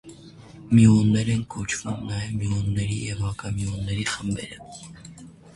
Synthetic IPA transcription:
miunːɛɾɛnkʰɔt͡ʃʰv̥umnɑjɛvmiunːɛɾijɛvɑkɑmiunːɛɾiχəmbɛ̰ɾə

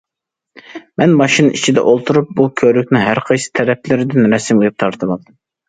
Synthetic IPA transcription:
mɛnmɑʃinɨit͡ʃʰid̪ɛ̰ʔolˠt̪ʰuɾup̚bukʲʰøɾykʲnɪŋɦæɾqʰɑjsɨ̥t̪ʰɛɾɛplɪɾɪd̪ɪnɾɛsɪmɨjɨp̚t̪ʰɑɾt̪ʰɨlɑlˠd̪ɨm

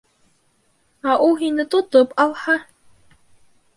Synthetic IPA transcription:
aʔuɦinɨt̪ʼot̪ɨpʼalˠħa

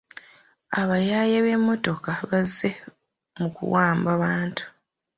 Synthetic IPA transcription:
aβajajaβe̞mːo̞to̞kaβazːe̞ | mukṵwaːmbaβaːntu̥

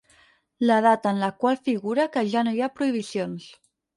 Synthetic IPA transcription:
ləð̞at̪aːnlakwalfiɣuɾakəʒanojapɾuiβ̞isjons

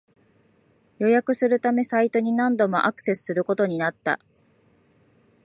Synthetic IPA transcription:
jo̞jakɯ̟sɨɾɯ̟t̪ame̞sait̪o̞ɲ̟inãnd̪o̞mo̞ʔakɯ̟̥se̞sɨ̥sɨɾɯ̟ko̞t̪o̞ɲ̟inat̪ːa̰

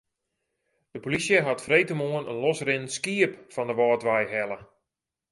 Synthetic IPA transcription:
d̥əpolisjəɦatfrejtəmoənənlɔsrɪnəskiəpfɔndəʋɔːtʋajɦɛlˠə

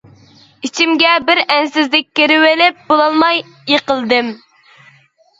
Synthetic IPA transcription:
it͡ʃʰimɡʲɛbɪɾɛnsɪzlɪk̚ʲkʲːeɾɪwɪlɪp̚bolˠɑlˠmɑj | jeqəlˠd̪ɨm

